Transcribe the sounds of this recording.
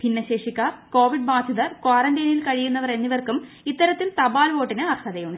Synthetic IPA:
bʱinːɐɕeːʂikʲːaːrko̞ːʋiɖ̚baːd̪ʱjiðɐrkwaːrɐndɐːnilkɐɻijunːɐʋɐre̞nːiʋɐrkum | it̪ːɐɾɐt̪ːilt̪ɐbaːlʋo̞ːʈːinɨɐrkʰɐðɐjuɳɖɨ

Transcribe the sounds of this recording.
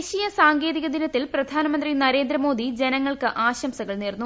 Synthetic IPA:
ɕijɐsaːŋɡe̞ːðiɣɐd̪inɐt̪ːilprɐd̪ʱaːnɐmɐnd̪rinɐɾe̞ːnd̪ɾɐmo̞ːd̪ʱid͡ʑenɐŋːɐɭkɨʔaːɕɐmsɐɣɐɭneːrnːu

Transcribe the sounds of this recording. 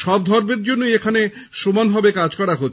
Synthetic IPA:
ʃɔbd̪ʱɔɾmeɾd͡ʑonːojekʰane | ʃomanɦɔbekad͡ʑkɔɾaɦot̪ː

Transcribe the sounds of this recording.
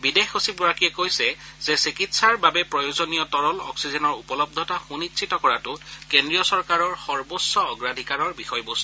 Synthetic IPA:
bidexosip̚ɡɔɹakiɛkojsɛzɛsikitsaɹbabɛpɹɔjozonijɔtɔɹɔlɔ̰ksizɛnɔɹupɔlɔb̚d̪ʱɔtaxunitsʰitɔkɔɹatʊkendɹijɔsɔɹkaɹɔɹxɔɹbosːɔɔɡɹadʱikaɹɔɹbixɔjbost

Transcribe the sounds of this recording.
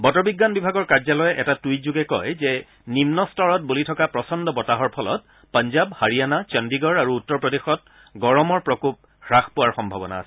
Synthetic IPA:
bɔtɔbiɡːanbibʱaɡɔɹkaɹzalɔjɛʔɛtatuitzuɡɛkɔ̰jzɛ | nimnɔstʰɔɹɔt̚bulitʰɔkapɹɔsɔndɔbɔtaɦɔɹpʰɔlɔ̰t̚ | panzabhaɹijanat͡ʃɔndiɡɔɹaɹuːtːɔɹpɹɔdexɔt̚ | ɡɔɹɔmɔɹpɹɔkup̚ | xɹaxpʊwaɹxɔmbʱabɔna̰ːsɛ̥

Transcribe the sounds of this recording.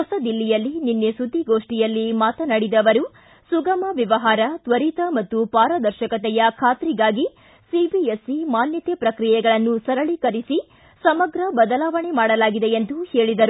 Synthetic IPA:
ɔsɐd̪ilːijɐlːininːesud̪ʱːiɡo̞ːʂʈijɐlːimaːt̪ɐnɐɽid̪ɐʋɐɾu | suɡɐmɐʋiʋɐɦaːɾɐt̪ʋɐɾit̪ɐmɐt̪ːupaːɾɐd̪ɐɾʃɐkɐt̪ɛjɐkʰaːt̪ɾiɡaːɡi | sibiesimaːnjɐt̪ɛpɾɐkɾijɛɡɐɭɐnːusɐɾɐɭikɐɾisi | sɐmɐɡɾɐbɐd̪ɐlaːʋɐɳemaːɽɐlaːɡid̪e̞end̪uhe̞ːɭid̪ɐɾu

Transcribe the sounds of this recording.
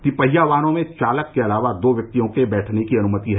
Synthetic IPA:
kipɐɦijaʋaːnõmẽt͡ʃaːləkːeɐlaːʋad̪oːʋjɐk̚t̪ijõkebɛːʈʰnekiɐnʊmət̪iɦɛ

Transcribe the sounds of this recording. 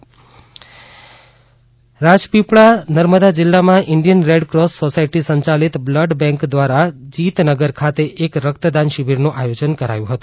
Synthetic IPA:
ɾad͡ʒpipɭanəɾməd̪ad͡ʒɪlːamãʔɪɳɖijənɾeɖkɾosːosaiʈisəɲt͡ʃalit̪bləɖbɛ̃ŋkd̪ʋaɾad͡ʒit̪nəɡəɾkʰat̪eʔekɾəkt̪əd̪anʃibʱiɾnũʔajod͡ʒənkəɾa̰jũɦət̪ũ̥

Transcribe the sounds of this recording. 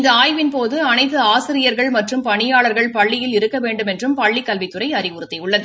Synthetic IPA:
ɪnd̪ɐaːjʋɪnpoːðɯɐnɐɪt̪ːɯaːsɪɾɪjɐɾɣɐɭmɐʈrɯmpɐɳɪjaːɭɐɾɣɐɭpɐɭːɪjɪlɪɾɯkːɐʋeːɳɖɯmɛndrɯmpɐɭːɪkːɐlʋɪt̪ːɯrɐɪɐɾɪʊɾɯt̪ːɪʊɭːɐðɯ

